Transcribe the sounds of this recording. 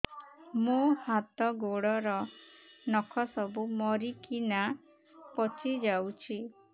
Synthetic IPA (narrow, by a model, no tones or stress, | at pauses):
mohat̪ɔɡoɽɔɾɔnɔkʰɔsɔbumɔɾikina | pɔt͡ʃʰid͡ʒawt͡ʃʰi